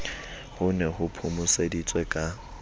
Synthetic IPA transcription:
hʊnɛɦʊpʰumʊsedit͡sʼwɛkʼa

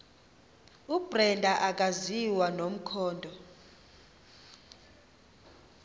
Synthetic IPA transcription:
ubrɛndʱaʔak̬ʼaziwanom̩kʰɔːndʱɔ

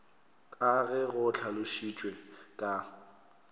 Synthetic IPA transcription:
kʼaɣɛɣʊt͡ɬʰalʊʃit͡ʃʼwekʼa

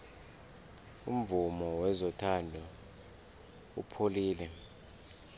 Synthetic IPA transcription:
ṵm̩vumɔwɛzɔtʰandʱɔ | upʰoliːlɛ

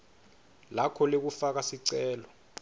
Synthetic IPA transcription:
lakʰɔlek̬ufak̬asiǀɛːlɔ

